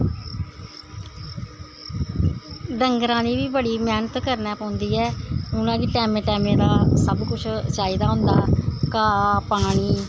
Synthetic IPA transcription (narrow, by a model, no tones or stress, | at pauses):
ɖəŋɡɾãːd̪iːʋiːbəɽiːmɛːnət̪kəɾnɛːpãːʊnd̪iːɛːʊnãːkiʈɛːmẽːʈɛːmẽːd̪aːsəbkʊt͡ʃʰt͡ʃaːiːd̪aːɦʊ̃nd̪aːkaːpaːɽ̃iː